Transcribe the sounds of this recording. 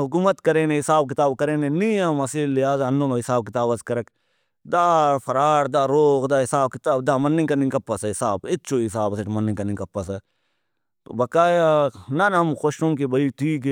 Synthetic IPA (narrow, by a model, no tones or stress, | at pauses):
ɦʊk̬uːmət̪kɐɾeːnẽɦɪsaːbkɪt̪aːbkɐɾeːneniamɐsiːllɪɦaːzɐnːõːnoːɦɪsaːb̚kɪt̪aːbɐskɐɾɐk | d̪aːfʰɐɾaːɾd̪aːɾoːkd̪aːɦɪsaːb̚kɪt̪aːbd̪aːmɐnːĩkɐɾnĩkɐpːɐsɛɦɪsaːbɪtːt͡ʃʰoɦɪs̬aːbɐseʈmɐnːĩkɐnĩkɐpːɐsɛ | bɐkaːjanɐnɦɐmxoʃõŋk̬ibɐiːt̪ʰiːk